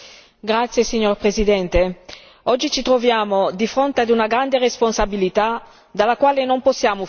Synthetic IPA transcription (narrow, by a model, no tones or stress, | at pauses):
ɡɾat̪sːjesiɲːorpɾezid̪ɛnt̪e | ɔd͡ʒːit͡ʃit̪ɾovjaːmod̪ifɾont̪ead̪unaɡɾand̪eresponsabilit̪a | d̪alːakwaːlenomposːjaːmo